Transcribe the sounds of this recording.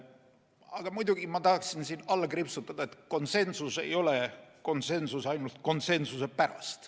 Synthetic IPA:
ɑɡ̥ɑmujd̪̥uɡ̥imɑt̪ɑhɑksinsiːnɑlːkripsut̪ːˑɑd̪̥ɑet̪ko̞nse̞nsuse̞̰jo̞leko̞nse̞nsusɑjnult̪̚ko̞nse̞nsuse̞pæɾɑ̰st̪

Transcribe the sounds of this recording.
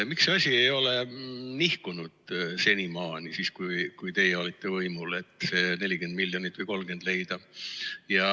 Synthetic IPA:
miksɑsʲiejo̞le̞nihkunud̪̥se̞nimɑːnisiskujkujt̪e̞jɛo̞lit̪ːˑe̞vɤjmule̞t̪ːˑse̞ːne̞lʲike̞nd̪̥milʲjo̞nit̪ːˑvɨjko̞lɡe̞nd̪̥le̞jd̪̥ɑjɑ

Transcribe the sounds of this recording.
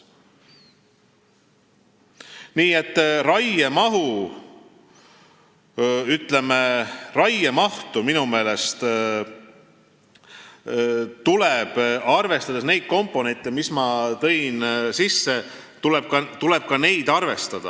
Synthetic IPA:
niːe̞t̪ːˑrɑjemɑɦu | yt̪ˑle̞me̞rɑjemɑht̪uminume̞ːle̞st̪ | t̪uleb̥ɑrve̞st̪ɑd̪̥esne̞jd̪̥̚ko̞mpːˑo̞ne̞nt̪ːˑemismɑt̪ɤ̞jnsisːe̞ | t̪uleb̥̚kɑt̪ule̞b̥̚kɑne̞jd̪̥ɑrve̞st̪ɑd̪̥ɑ̰

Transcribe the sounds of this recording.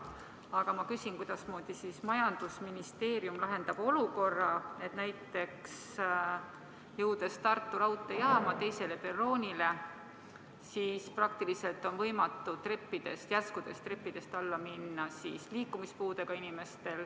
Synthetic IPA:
ɑɡ̥ɑmɑkysinkujd̪̥ɑsmoːd̪̥isismɑjɑnd̪̥usminist̪e̞ːɾjumlɑɦe̞nd̪ɑb̥o̞luko̞rːɑe̞t̪næjt̪ːˑe̞ks | jɤwd̪̥e̞st̪ɑrt̪ːuɾɑwt̪ːˑejɑːmɑt̪e̞jse̞le̞pe̞rːo̞ːnʲile̞ | siːsprɑk̚t̪ilise̞lt̪ˑo̞nvɤjmɑt̪ːˑut̪repːid̪̥e̞st̪jæskud̪̥e̞st̪repːid̪̥e̞st̪ɑlːɑminːɑsiːsliːkːumispuːd̪e̞ɡ̥ɑinime̞st̪e̞l

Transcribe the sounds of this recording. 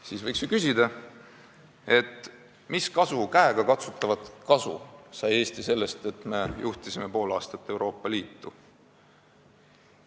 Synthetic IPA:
siːsvɤjksykysʲid̪̥ɑ | e̞t̪ːˑ | miskɑsukæeɡ̥ɑkɑt̪su̥t̪ːˑɑvɑt̪kɑsṵsɑje̞ːst̪ise̞lːe̞st̪e̞t̪me̞juht̪isime̞po̞ːlɑːst̪ɑt̪ːe̞wɾo̞ːpˑːɑliːt̪ːu

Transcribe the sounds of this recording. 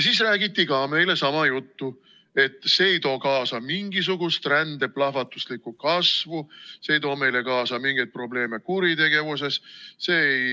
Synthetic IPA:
siːsræːɡ̥it̪ːikɑme̞jle̞sɑmɑjut̪ːu | e̞t̪ːˑse̞ejt̪o̞ːkɑːsɑmiŋɡ̥is̬uɡ̥ust̪rænd̪̥e̞plɑhvɑt̪ːˑuslikːˑukɑsvuse̞jt̪o̞ːme̞jle̞kɑːsɑmiŋɡ̥et̪̚pro̞ble̞ːme̞kuɾit̪e̞ɡ̥e̞vus̬e̞sse̞ːej

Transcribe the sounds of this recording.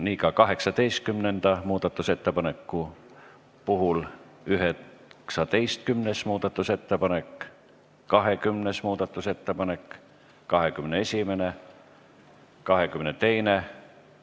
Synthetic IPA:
niːkɑkɑɦe̞ksɑt̪e̞jst̪̚kymnend̪̥ɑmuːd̪̥ɑt̪ːˑuse̞t̪ːepɑne̞kːu | puɦul | yɦeksɑt̪e̞jst̪̚kymnesmuːd̪̥ɑt̪ːˑuse̞t̪ːe̞pɑne̞k | kɑɦe̞kymnesmuːd̪̥ɑt̪ːˑuse̞t̪ːepɑne̞k | kɑɦe̞kymnee̞sʲimene | kɑɦekymnet̪e̞jne

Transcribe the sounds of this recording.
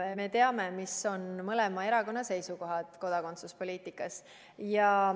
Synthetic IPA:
me̞t̪eɑme̞miso̞nmɤle̞mɑe̞ɾɑko̞nːɑse̞jsuko̞ɦɑd̪̥ko̞d̪̥ɑko̞nt̪suspo̞lʲiːt̪ˑikːˑɑs | jɑ

